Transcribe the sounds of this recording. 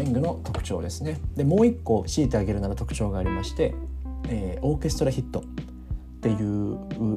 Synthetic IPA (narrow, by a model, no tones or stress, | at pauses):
ĩŋɡɯ̟no̞t̪o̞kɯ̟̥t͡ɕo̞̰ːd̪e̞sɨne̞d̪e̞mo̞ːikːo̞ɕiːt̪e̞aɡe̞ɾɯ̟naɾat̪o̞kɯ̟̥t͡ɕo̞ːɡaːɾʲimaɕi̥t̪e̞eːo̞ːke̞sɨ̥t̪oɾaçit̪ːo̞ | t̪ːe̞jɯ̟ː